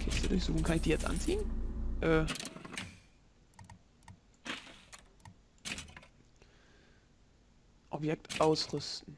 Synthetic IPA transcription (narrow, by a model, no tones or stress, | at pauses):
kʰɪstədʊɐçz̥ṵːxʊŋ̩kʰanɪçd̥iːjɛt͡stʔa̰nt͡siːənʔɛː | ʔɔpjɛk̚tʔaʊsʁʏstn̩